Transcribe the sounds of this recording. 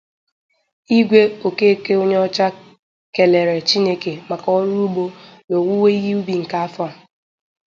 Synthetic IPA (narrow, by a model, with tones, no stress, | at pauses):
i˦ɡʷe˦o˨ke˦e˦ke˦o˦ɲe˦ɔ˦t͡ʃa˦ | ke˨le˨ɾe˨t͡ʃi˦ne˦ke˨ma˨ka˦ɔ˦ɾu˦bo˦no˨wu˦we˦i˦ɣi˦u˦bi˨ŋ̩˨ka˦a˦fa˨